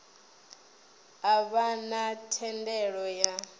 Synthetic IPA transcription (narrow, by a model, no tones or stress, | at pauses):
aβanatʰɛndɛɺɔja